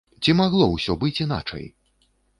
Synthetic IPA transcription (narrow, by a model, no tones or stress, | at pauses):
t͡sʲimaɣlˠɔwsʲɔbɨt͡sʲina̰t͡ʂɐ̰j